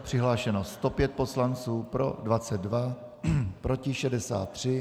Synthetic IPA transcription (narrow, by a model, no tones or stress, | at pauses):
pr̝̥ɪɦlaːʃɛno̞st̪o̞pjɛt̪̚po̞slant͡suːpɾo̞̰dvat͡sɛd̪dva | pɾo̞cɪʃɛdɛsa̰ːt̪ːr̝̥ɪ